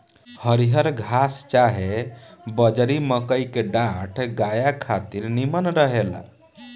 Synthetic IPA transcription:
həɾiɦəɾɡʱast͡ʃaɦebəd͡ʒɾiməkəjkeɖãʈʰɡajakʰat̪iɾnimənɾəɦela̰

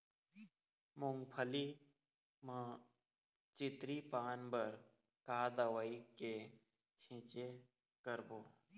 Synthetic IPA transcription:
mʊ̃ŋɡpʰəli | mə̃ | t͡ʃɪt̪ɾipaːnbəɾ | kaːd̪əʋəike | t͡ʃʰɪ̃t͡ʃe | kəɾboː

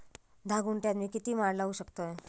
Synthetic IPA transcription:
d̪ʱaɡuɳʈjat̪miːkit̪iːmaɽlauɕəkt̪oe

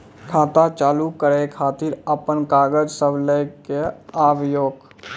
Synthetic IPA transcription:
kʰaːt̪at͡ʃaːlukəɾekʰaːt̪iɾəpənkaːɡəd͡ʒsəbləjkeaːʋjoːɡ

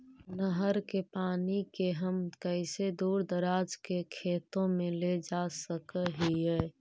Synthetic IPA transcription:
nəɦəɾkepaːnikeɦəmkəɪsed̪uːɾd̪əɾaːd͡ʒkekʰeːt̪õmẽled͡ʒasəkəɦiɛː

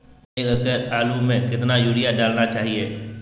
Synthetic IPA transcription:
ekəɡəɾaːlumẽkɪt̪najuːɽɪjaɖaːlnat͡ʃaːɦieː

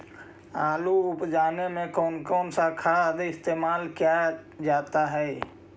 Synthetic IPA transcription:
aːluʊpd͡ʒaːnemẽkɔːnkɔːnsakʰaːd̪ɪst̪eːmaːlkijad͡ʒaːt̪aɦɛː

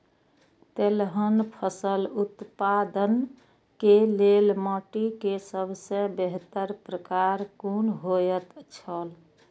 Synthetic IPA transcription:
t̪elɦənpʰəsəlut̪pad̪ən | kelelmɔʈikesəbʱseə̃beɦt̪əɾpɾəkaɾkunɦojət̪t͡ʃʰəl

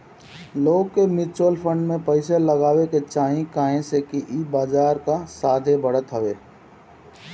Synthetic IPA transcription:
loːɡ̚kemɪt͡ʃəlpʰə̃ɳɖmẽpəɪseləɡaːweket͡ʃaːɦĩkaːɦẽsekiʔibaːd͡ʒaːɾkasaːd̪ʱebəɽ̤ət̪ɦəʋeː

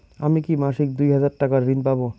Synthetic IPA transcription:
amikimaʃik̚d̪ujɦad͡ʑaɾʈakaɾɾinpabo

